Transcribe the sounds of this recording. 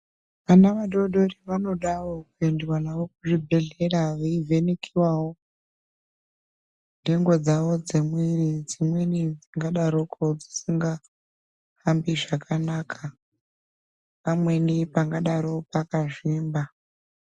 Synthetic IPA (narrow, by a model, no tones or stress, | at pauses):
ʋanaʋaɗo̞dʱo̞riʋano̞ɗaʋokuendiwanaʋo̞kuʐibʱe̞ɮe̞ɾaʋaivʱe̞nekʰiwawo | ndeŋɡo̞d͡zaʋo̞d͡zemwirid͡zimwenid͡ziŋɡaɗaɾokod͡zi̥siŋɡa | hambiʐakʰanaːkʰa | pamwe̞nipaŋɡaɗaɾo̞pakaʐiːmba